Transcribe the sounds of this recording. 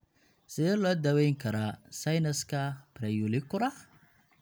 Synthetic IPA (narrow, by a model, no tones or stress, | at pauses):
sɪðɛːlɔːd̪ɐwɛjŋkʰɐɾasɐjnɐskʰɐpɾɛjʊlɪkʰʊɾɐh